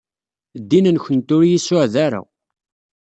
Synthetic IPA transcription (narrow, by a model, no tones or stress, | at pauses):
d̪ːinənçʷənt̪ʊɾjisʊʕðaɾa̰